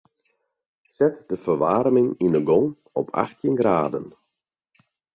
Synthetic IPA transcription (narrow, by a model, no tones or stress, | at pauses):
sɛtdəfərʋaːrmɪŋindəɡɔŋ | ɔpʰa̰xtʰjɪnɡraːdə̰n